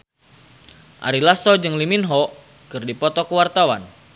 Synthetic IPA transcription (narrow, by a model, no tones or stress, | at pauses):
ʔa̰ɾilasɔd͡ʒɨŋliminɦɔ | kɨrdipɔt̪ɔkəwart̪awan